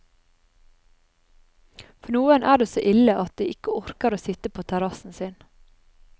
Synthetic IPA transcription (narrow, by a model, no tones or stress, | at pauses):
fɔɳuːənʔæːɖeːsoːʔɪləʔɑt̪̚d̪iːʔɪkəɔɾkəɾoːsɪt̪əpʰoːt̪ʰæɾɑsn̩sɪn